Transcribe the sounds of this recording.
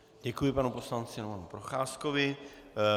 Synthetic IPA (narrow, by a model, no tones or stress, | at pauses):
ɟɛkujɪpanupo̞slant͡sɪnapanupɾoxaːskovɪ